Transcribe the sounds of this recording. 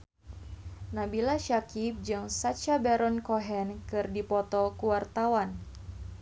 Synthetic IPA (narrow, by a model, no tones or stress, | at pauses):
nabilaʃakip̚d͡ʒɨŋsatt͡ʃabɛɾɔnkɔɦɛnkɨrdipɔt̪ɔkuwart̪awan